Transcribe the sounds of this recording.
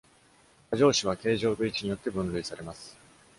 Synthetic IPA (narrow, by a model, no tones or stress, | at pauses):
kaʑo̞ːɕiβ̞ake̞ːʑo̞ːɡɯ̟it͡ɕiɲ̟ijo̞t̪ːe̞bɯ̟̃nɾɯ̟isaɾe̞masɨ̥